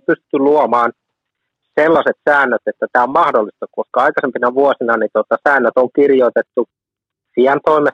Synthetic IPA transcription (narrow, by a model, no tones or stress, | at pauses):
pyst̪yluomɑːn | selːɑset̪sæːnːøt̪et̪ːæt̪æːommɑhdolːˑist̪ɑkoskɑɑikɑsempinɑʋuosinɑnit̪ot̪ɑsæːnːøt̪oŋkirjoit̪et̪ːu | fiɑnt̪oime